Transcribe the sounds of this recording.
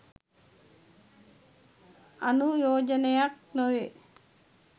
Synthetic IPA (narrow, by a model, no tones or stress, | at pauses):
anujoːd͡ʒɐnejak̚noʋe